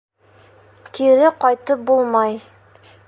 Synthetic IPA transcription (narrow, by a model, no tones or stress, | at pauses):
kiɾɘqɒjt̪ɤp̚bulˠmɑj